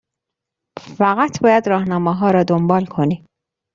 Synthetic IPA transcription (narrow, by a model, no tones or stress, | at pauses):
faqat̪bɑjad̪ɾɑhnɑmaɦɑɾɑd̪ʊmbɑlkʰoni